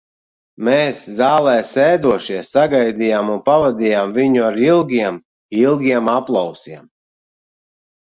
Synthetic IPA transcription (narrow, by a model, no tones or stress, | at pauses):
meːszaːlˠɛːsɛːd̪uɔʃiɛsːaɡajd̪ijaːmunpavad̪ʲijaːmviɲuaɾilˠɡʲiɛm | ilˠɡʲiɛmaplˠawsiɛm